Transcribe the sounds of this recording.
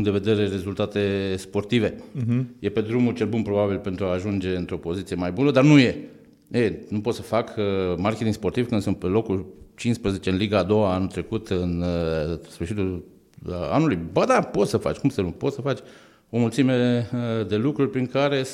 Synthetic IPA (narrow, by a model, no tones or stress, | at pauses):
ŋd̪eve̞d̪e̞ɾe̞re̞zult̪at̪e̞spo̞rt̪ive̞je̞pe̞d̪ɾumult͡ʃe̞lbunpɾo̞babilpe̞nt̪ɾuaːʒund͡ʒe̞ɨnt̪ɾo̞po̞zit̪sije̞majbunəd̪arnuje̞ | enupo̞t̪səfakmarkʲeiŋspo̞rt̪iv̥kɨnd̪sɨnt̪pe̞lo̞kult͡ʃinspɾeze̞t͡ʃeɨnliɡaːd̪o̞waanult̪ɾe̞kut̪ɨn | sfɨrʃit̪ul | a̰nulujbəd̪apo̞t̪səfa̰t͡ʃʲkumsəɾupo̞t̪səfat͡ʃʲ | o̞mult̪sime̞d̪elukɾurʲpɾiŋkaɾe̞